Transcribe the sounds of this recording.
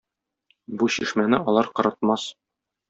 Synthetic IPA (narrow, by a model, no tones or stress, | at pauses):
buɕiʃmænɘɒlˠɑɾqɤ̆ɾɤ̆t̪̚mɑs